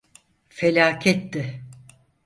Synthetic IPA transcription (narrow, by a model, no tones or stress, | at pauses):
felʲaːcʰɛt̪ːɪ